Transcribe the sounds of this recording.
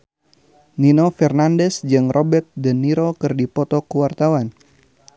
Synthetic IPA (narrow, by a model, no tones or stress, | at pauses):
ninofɛrnandɛsd͡ʒɨŋrʔobɛrt̪̚dənːiɾokɨrdipɔt̪ɔkəwart̪awan